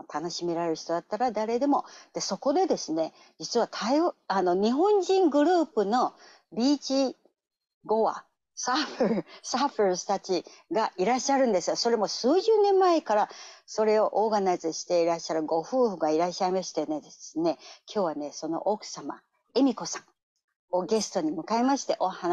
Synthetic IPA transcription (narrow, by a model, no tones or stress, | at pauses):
t̪ʰano̞ɕime̞ɾaɾeɾɯ̟çi̥t̪o̞d̪at̪ːaɾad̪aɾe̞d̪e̞mo̞d̪̥e̞so̞ko̞d̪e̞d̪e̞sɨne̞ | d͡ʑit͡sɨβat̪ʰaiano̞ɲ̟iɦõ̞ɲ̟d͡ʑĩŋɡɯ̟ɾɯ̟ːpɯ̟no̞ | bʲiːt͡ɕi | ɡo̞βa̰ | saɸeɾɯsaɸeɾst̪at͡ɕiɡaʔiɾaɕːaɾɯ̟̃nd̪e̞sɨɡaso̞ɾe̞mo̞sɨːʑɨːnẽ̞mːae̞kaɾaso̞ɾe̞o̞ʔoːɡanazɨɕi̥t̪e̞iɾaɕːaɾɯ̟ɡo̞ɸɯ̟ːɸɯ̟ɡaiɾaɕaimaɕi̥t̪ened̪esɨne̞kʲʰo̞ːβ̞ane̞so̞no̞̰ʔokɯ̟̥sama̰ | e̞mʲiko̞sãŋ | o̞ɡe̞sɨ̥t̪o̞ɲ̟imɯ̟kae̞maɕi̥t̪e̞ʔoha